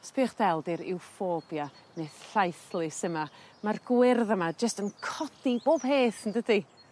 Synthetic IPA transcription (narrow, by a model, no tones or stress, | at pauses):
spʰiːχd̥ɛlˠdɪɾɪ̰wfoːbja | neːð̥ɬajθlˠɪsəmamarɡ̥wɪrðəmad͡ʒəstənkʰɔdiboːb̥heːθndədi